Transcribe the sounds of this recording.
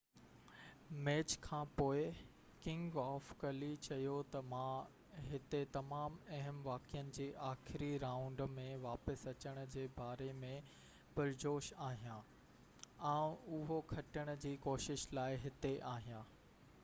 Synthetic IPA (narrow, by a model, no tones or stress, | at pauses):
mɛːt͡ɕkʰãːpoːɪ | kɪ̃ŋɡɔːfkɐlit͡ɕɐjot̪ɐmã | ɦɪt̪et̪ɐmaːmɐɦəmʋaːkijənɪ̆d͡ʑeːʔaːxɾiɾaːʊ̃ɳɖmẽʋaːpəsɐt͡ɕəɽ̃ʊ̆d͡ʑeːbaːɾemẽ | pɐɾd͡ʑoːʃaːɦijãː | ãːʊɦokʰɐʈəɽ̃ʊ̆d͡ʑiːkoːʃɪʃlaːɪɦɪt̪eʔaːɦijãː